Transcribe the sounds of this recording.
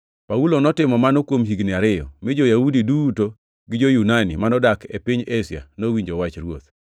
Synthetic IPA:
paulonɔtɪmɔmanokwomɦiɡnɪaɾɪjɔ̰mɪd͡ʒojaudiduto | ɡɪd͡ʒojunanḭmanɔdakepiɲesɪa̰nowiɲd͡ʒowat͡ʃɾwot̪

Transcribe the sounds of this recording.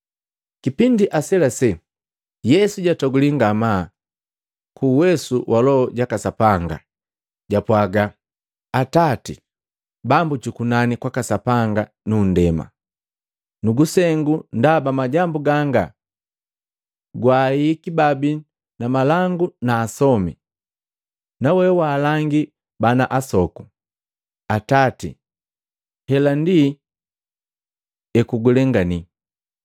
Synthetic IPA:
kipindiʔasɛlasɛ | jɛsuɟatɔɡuliŋɡama | kuːwɛsuwalɔɔɟakasapaŋɡa̰ | ɟapwaɡa | atati | bambut͡ʃukunanikwakasapaŋɡa | nundɛma̰ | nuɡusɛŋɡundabamaɟambuɡaŋɡa̰ | ɡwaːikibabi | namalaŋɡunaːsɔmi | nawɛwaːlaŋɡi | banaʔasɔku̥ | atatḭ | hɛlandi | ɛkuɡulɛŋɡani

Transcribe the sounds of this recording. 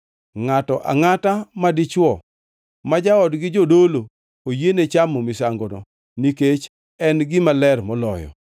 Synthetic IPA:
ŋatɔʔa̰ŋatamadɪt͡ʃwɔ | mad͡ʒaɔdɡɪd͡ʒodolo | ojenet͡ʃamɔmisaŋɡɔnɔ̰ | niket͡ʃ | ɛnɡɪmalɛrmɔlɔ̰jɔ̰

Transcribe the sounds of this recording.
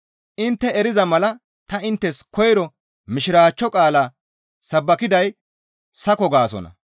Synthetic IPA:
ʔɪnt̪ːɛɛɾɪzɐmɐlɐ | t̪ɐɪnt̪ːɛskɔjɾɔ | mɪʃɪɾaːt͡ʃːɔkʼaːlaː | sɐbːɐkɪd̪ɐj | sɐkɔɡaːsɔ̰nɐ̰

